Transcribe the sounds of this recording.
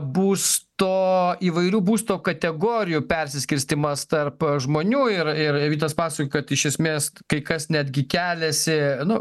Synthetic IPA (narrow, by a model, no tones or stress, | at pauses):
buːst̪oːiːʋɐɪɾʲuːbuːst̪oːkɐt̪ʲɛɡoːɾʲɪjuːpʲɛɾʲsʲɪsʲkʲɪɾʲsʲt̪ʲɪmɐst̪ɐrpʒmoːnʲuːɪɾɪɾʋʲiːt̪ɐspɑːsɐkokɐt̪ɪʃʲɛsʲmʲeːskɐɪkɐsnʲæd̪ʲɡʲɪkʲæːlʲɛsʲɪnʊ